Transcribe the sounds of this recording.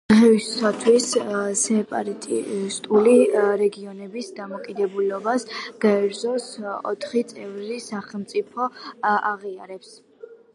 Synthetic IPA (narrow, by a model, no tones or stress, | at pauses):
ʁɛiat̪ʰwissɛpʼa̰ɾat̪ʼist̪ʼuliɾɛɡiɔnɛbisd̪amɔkʼid̪ɛbulɔbasɡ̥aɛɾzɔsɔ̰t̪ʰχit̪sʼɛvɾisaχɛlˠmt̪sʼipʰɔaʁiaɾɛps